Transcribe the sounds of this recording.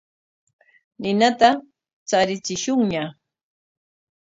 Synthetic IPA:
nɪnat̪a | t͡saɾɪt͡sɪʃʊŋɲa

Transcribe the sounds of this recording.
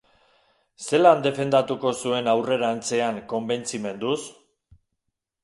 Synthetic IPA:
se̞land̪e̞fe̞nd̪at̪uko̞sue̞nawre̞ɾant͡se̞aŋko̞mbe̞nt͡sime̞nd̪us

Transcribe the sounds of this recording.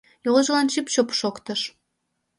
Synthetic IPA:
joʁə̆ʒə̆lɑnt͡ɕipʃopʃokt̪əʃ

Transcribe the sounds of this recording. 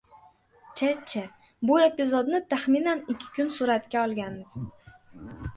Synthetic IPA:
t͡ʃʰat͡ʃʰa | bʊe̞pɪzod̪nɪt̪ʰaχmɪnanɪkʲʰːɪ̥kʲʰʊnsʊɾat̪kʲaɒlˠɡʲanmɪz̥

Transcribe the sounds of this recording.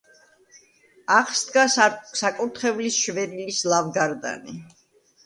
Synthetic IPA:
aχsd̪ɡassakʼuɾt̪ʰχɛvlisʃvɛɾilislˠavɡaɾd̪a̰ni

